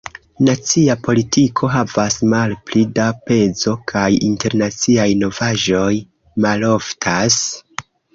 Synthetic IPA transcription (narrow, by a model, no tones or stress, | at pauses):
nat͡siapo̞litikʰo̞ɦavasmalplidape̞zo̞kʰajinte̞ɾnat͡siajno̞vaʒo̞j | malo̞ftʰas